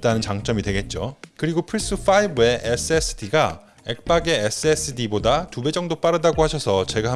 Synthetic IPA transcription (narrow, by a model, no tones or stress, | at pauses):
t͈anɯnt͡ɕaŋt͡ɕ͈ʌmidwe̞ɡe̞t̚t͡ɕ͈okɯɾiɡopʰɯɾis͈ɯfʰaibɯe̞ʔes͈ʰɯesʰɯ̥tʰiɡa | ek̚p͈aɡe̞ːs͈ʰɯes͈ʰɯdibodatube̞d͡ʑʌŋdop͈aɾɯdaɡohaɕʰʌsʰʌt͡ɕe̞ɡa